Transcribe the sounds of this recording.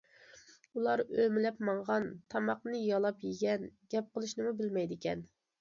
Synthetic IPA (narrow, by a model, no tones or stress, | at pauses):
ulˠɑɾømɪlɛpmɑɴʁɑnt̪ʰɑmɑq̚nɨjɑlˠɑpjɪɡʲɛnɡʲɛp̚qəlˠɨʃnɨmubɪlmɛjd̪ɪkʲɛn